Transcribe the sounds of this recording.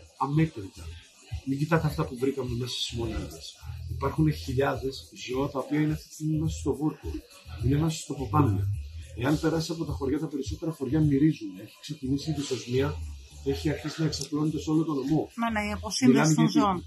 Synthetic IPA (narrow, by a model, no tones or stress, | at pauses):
ɐmet̪ɾit̪ɐ̰ | miɟit̪ɐt̪eɐft̪ɐpuvɾikɐme̞me̞sɐszmo̞niðɐsipɐɾxuneçiʎɐðe̞szo̞ɐt̪ɐopiɐineɐft̪ist̪imime̞sost̪o̞vuɾko̰ | inemeso̥st̪opopɐnnɐ̰e̞ɐnpe̞ɾɐsisɐpo̞t̪ɐxo̞ɾʝɐt̪ɐpe̞ɾiso̞t̪e̞ɾɐxo̞ɾʝɐmiɾizuneçi̥ksecinisit̪isozmiɐ | te̞çiɐɾçisinɐe̞ksɐplo̞net̪eso̞lot̪o̞no̞monneiɐposiɐniion